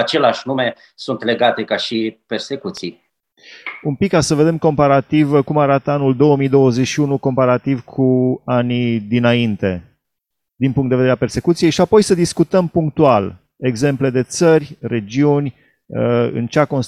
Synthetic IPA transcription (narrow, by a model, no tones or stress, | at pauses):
at͡ʃe̞leaʃnume̞ | sunt̪leɡat̪e̞kaʃiperse̞kut̪sij | umpikːasəve̞d̪e̞mko̞mpaɾat̪ivkumaɾat̪əanuld̪o̞wəmijd̪o̞wəze̞ʃiunuko̞mpaɾat̪ivkʰuanid̪inaint̪e̞ | d̪inpuŋkt̪eveɾeape̞rse̞kut̪sije̞jʃiapo̞jsəd̪iskut̪əmpuŋk̚t̪ual | e̞ɡze̞mple̞d̪e̞t̪sərʲre̞d͡ʒiunʲ | əɨ̰nt͡ʃeako̞ns